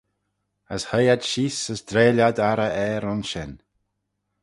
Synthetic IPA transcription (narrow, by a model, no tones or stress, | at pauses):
əshəjad̪ʃiːsəsd̪ɾeːlʲad̪aɾəʔɛːɾʊnʃɛn